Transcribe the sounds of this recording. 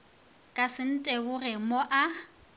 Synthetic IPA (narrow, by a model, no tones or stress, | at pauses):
kʼasɪn̩tʼɛɣʊrɪmoʔa